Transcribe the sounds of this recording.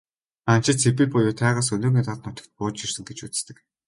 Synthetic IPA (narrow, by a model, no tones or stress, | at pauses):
ant͡ɕɪ̆t͡sʰep̬ipʊjʊːt̪ʰæːʁaːs̬ɵloːɣʲiːt̪aɮnʊt̪ə̥̆kt̪̚pʊːt͡ɕirsɘ̆ŋɡet͡ɕut͡sst̪ɘ̆k